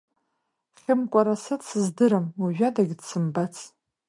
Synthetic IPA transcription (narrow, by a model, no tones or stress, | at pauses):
χʲɪmkʷʼaɾasadsɨzdɨɾamaʒᶣadaɡʲdsɨmbat͡sʰʼ